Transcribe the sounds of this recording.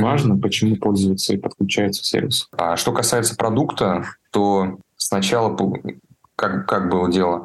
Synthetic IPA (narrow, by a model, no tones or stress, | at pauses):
vaʐnəpət͡ɕɪmupo̞lʲzʊjɪt̪səipət̪̚klʲʉt͡ɕæjɪt̪sə̥sʲḛrʲvʲɪsa̰ʂt̪o̞kɐsajɪt̪sə̥pɾɐd̪ukt̪ət̪osnɐt͡ɕalˠəp | kakkak̚bɨlˠədʲelˠə